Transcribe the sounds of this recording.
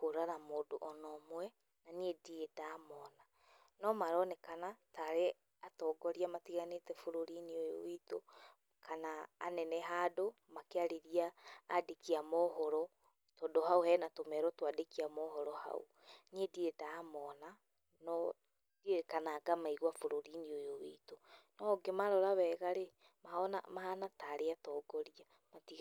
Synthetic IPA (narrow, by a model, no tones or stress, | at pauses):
koɾaɾamoːdoʔɔnɔmwɛ | naniediedaːmɔːna | nɔmaɾɔnɛkanataɾe | atɔːɡɔɾiamatiɣanetɛfoɾoɾineojo̰wito | kʰana̰ːnɛnɛɦado | makeaɾeɾiaːdekiamɔɦɔɾɔ | tɔdoɦaohɛːnatomɛɾɔtwadekiamɔhɔɾɔha̰o̰ | ɲediedamɔːna | nɔ | d̥iekanaːɡamaiɣwafoɾoɾiniojowḭtonɔɡemaɾɔɾaβɛːɣaɾe | mahɔna̰mahanataːɾeatɔɡɔɾia | mati